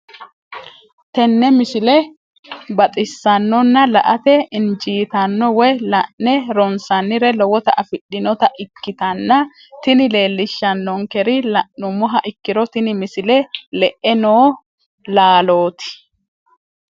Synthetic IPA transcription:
t̪ɛnːɛmɪsɪlɛ | bɐt̪ʼɪsːɐnːɔnːɐlɐ̰ʔɐt̪ɛɪnd͡ʒiːt̪ɐnːɔwɔjlɐʔnɛɾɔnsɐnːɪɾɛlɔwɔt̪ɐʔɐfɪɗːɪnɔt̪ɐʔɪkːɪt̪ɐnːɐ | t̪ɪnɪle̞ːlːɪʃːɐnːɔŋkɛɾɪlɐʔːʊmɔɦɐʔɪkːɪɾɔt̪ɪnɪmɪsɪlɛlɛʔɛnoː | laːlo̞ːt̪ɪ̥

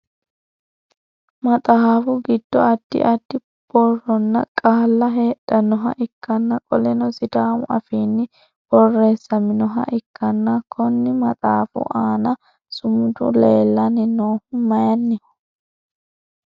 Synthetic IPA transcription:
mɐt̪ʼaːfʊɡɪd̪̥ːɔɐd̪̥ːɪ̰ʔɐd̪ːɪ | b̥ɔrɔnːɐ̰kʼaːlːɐɦeːɗɐnɔɦɐ̰ʔɪkːɐnːɐkʼɔlɛnɔsɪd̪aːmʊʔɐ̰fiːnːɪ | b̥ɔrːe̞ːsːɐmɪnɔɦɐ̰ʔɪkːɐnːɐkʰɔnːɪmɐt̪ʼaːfʊ̰ʔaːnɐ | sʊmʊd̪ʊ̰leːlːɐnɪnoːhʊmɐjɐnːɪ

